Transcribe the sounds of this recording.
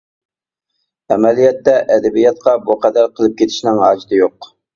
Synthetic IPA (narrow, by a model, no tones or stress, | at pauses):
ɛmɛlijɛt̪ːɛʔɛd̪ɛbijɛt̪qɑbuqʰæd̪æɾqʰəlˠɨp̚kʲet̪ʰɪ̥ʃnɪŋɦɑːd͡ʒit̪ɨjoq